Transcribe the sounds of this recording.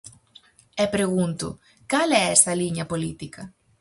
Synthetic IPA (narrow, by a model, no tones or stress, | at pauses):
ɛpɾeɣ̞unt̪ʊ̰ | kalɛɛst̪ɐliɲɐpolit̪ikɐ